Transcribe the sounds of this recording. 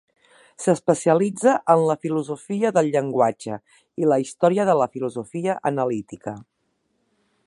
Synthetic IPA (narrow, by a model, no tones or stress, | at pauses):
səspəsiəlid͡zəʔənləfiluzufiəðəlˠʎəŋɡwad͡ʒə̰ | iləist̪ɔɾiəðələfiluzufiəʔənəlit̪ikə